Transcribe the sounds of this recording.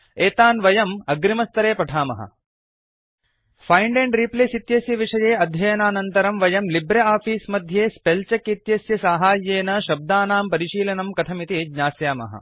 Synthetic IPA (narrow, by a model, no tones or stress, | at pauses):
eːt̪aːnʋɐjɐmɐɡɾimɐst̪ɐɾeːpɐʈʰaːmɐ̰ɦɐ̰ | fʰɐjɳɖeɳɖɾipleːsit̪jɐsjɐʋiʂɐjeːɐd̪ʱjɐjɐnaːnɐnt̪ɐɾɐmʋɐjɐmlibɾɐaːfiːsmɐd̪ʱjeːspelt͡ʃɐkit̪jɐsjɐsaːɦaːjːeːnɐʃɐb̚d̪aːnaːmpɐɾiʃiːlɐnɐmkɐt̪ʰɐmit̪iɡɲaːsjaːmɐ̰ɦɐ̰